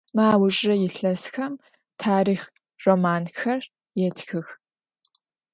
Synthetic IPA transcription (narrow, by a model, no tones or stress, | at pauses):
maːwʊɕʼɐjɪɬɐsxɐm | tʰaːɾiːx | romaːnxɐr | jɛtxɨx